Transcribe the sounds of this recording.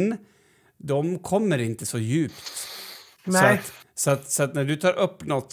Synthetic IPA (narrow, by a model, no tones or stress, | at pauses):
n | d̪ɔmkʰɔmːəɾɪnt̪əsɔjʉːpt̪ | sɔɑt̪sɔɑt̪sɔɑt̪nɔɖʉt̪ʰɑːɾʔɔpːnɔt̪